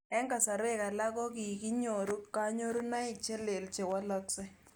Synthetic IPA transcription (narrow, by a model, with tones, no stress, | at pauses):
ɛ˦ŋɡa˨sa˨ɾe˦˨ka˨la˦kɔ˦ki˨ki˦ɲo˨ɾu˦ka˦ɲo˦ɾu˦na˦ɪ˨t͡ʃɛ˦le˨lt͡ʃɛ˨wa˦lɔ˦ksɛ˦